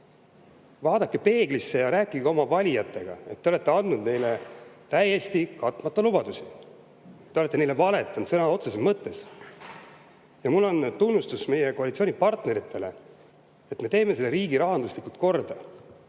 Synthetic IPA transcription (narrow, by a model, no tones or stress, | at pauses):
vɑːd̪ɑkːe̞pe̞ːɡ̥lisːe̞jɑɾæːkːˑiɡeo̞mɑvɑlʲijɑt̪ˑːe̞ɡ̥ɑ̰e̞t̪ːeole̞t̪ːe̞ɑnd̪nud̪ne̞jle̞t̪æje̞st̪ikɑt̪ːˑmɑt̪ˑːɑlub̥ɑd̪̥usi | t̪ːeoe̞t̪ːˑene̞jlːevɑle̞t̪ːˑɑnt̪sɤnɑo̞t̪sesemmɤt̪ːˑe̞s | jɑmulːo̞nt̪unːust̪usme̞jekoɑlit̪sio̞nipɑrt̪ne̞ɾit̪ʰˑːe̞le̞̰ | et̪ːme̞t̪e̞ːme̞se̞lːeɾiːɡiɾɑɦɑnd̪uslikult̪̚ko̞rd̪̥ɑ